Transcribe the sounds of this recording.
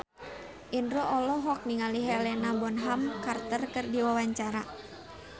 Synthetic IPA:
ʔinɾɔʔɔlɔɦɔk̚niŋaliɦɛlɛnabɔnɦamkart̪ərkɨrdiwawaɲt͡ʃaɾa

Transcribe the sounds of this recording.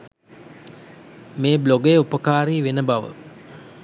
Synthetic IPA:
meːbloɡəjəupəkaːɾiːʋenəbaʋə̰

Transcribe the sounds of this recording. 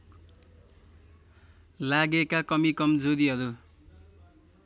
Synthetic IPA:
laɡekakʌmikʌmd͡zod̪iɦʌɾu

